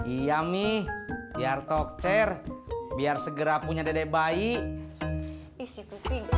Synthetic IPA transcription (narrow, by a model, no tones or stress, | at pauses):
ijamihbiart̪ɔk̚t͡ʃɛrbiarsəɡəɾapuɲadadɛbaiʔ